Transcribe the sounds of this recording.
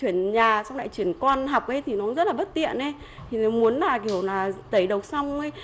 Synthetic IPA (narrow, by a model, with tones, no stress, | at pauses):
wi˧˩ənɲaː˨˩sa˧wŋ͡mna̰˧˨jt͡ɕwi˧˩ənkwɔ˧nɦa˨˩wk͡p̚ʔə˨˦jt̪ʰi˨˩nɔ˨˦zə˦˥t̚laː˨˩ɓə˦˥t̚t̪ḭ˧˨ənʔe˧˦ | t̪ʰi˨˩ne˨˦mu˨˦ənlaː˨˩k̬i˧˩əwlaː˨˩t̪ə˨˦jɗə˨˩wk͡p̚sa˧wŋ͡mə˨˦j